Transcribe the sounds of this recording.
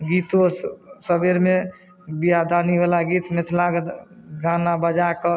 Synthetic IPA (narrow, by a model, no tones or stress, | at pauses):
ɡit̪osəbeɾme | bijad̪aniʋalaɡiːt̪met̪ʰlaɡɡʱanabəd͡ʒakə